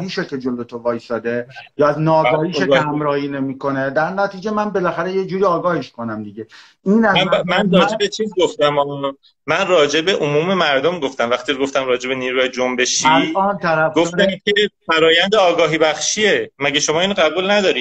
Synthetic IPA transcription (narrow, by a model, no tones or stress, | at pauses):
miːʃokʰed͡ʒolot̪ʰovɒːjsɒːd̪ejɒːæznɒːɡɒːhiːʃoɡhæmɾɒːhinemiːko̞ned̪æɾnæt̪ʰiːd͡ʒemænbelæxæɾejed͡ʒuːɾiːɒːɡɒːheʃkonæmd̪iɟe | inæmænrɒːd͡ʒebet͡ʃʰiːzɡoft̪æmɒn | mænrɒːd͡ʒe̞be̞ʔomuːme̞mæɾd̪omɡo̞ft̪æmvæxt̪iːɡoft̪æmɾɒːd͡ʒe̞be̞niːɾuːjɑd͡ʒombe̞ʃilɒːnt̪ʰæɾæfɡoft̪æmkʲʰefæɾɒːjænd̪eɒːɡɒːɦiːbæxʃie̞mæɟæʃomɒːiːnɣæbuːlnæd̪ɒːɾiːd̪